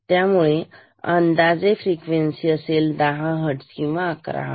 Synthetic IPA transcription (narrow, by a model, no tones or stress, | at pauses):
t̪jamuɭe | ənd̪ad͡zefɾikʋensiːəseld̪aɦãɦəʈskĩw̃ʋaːkɾa̰ɦ